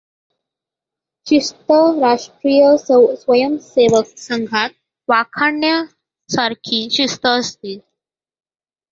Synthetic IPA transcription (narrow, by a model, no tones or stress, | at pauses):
ɕist̪əɾaʂʈɾijəsʋəjəmseʋək̚səŋɡʱat̪̚ | ʋakʰaɳja | saɾkʰiːɕist̪əːst̪iːt̪̚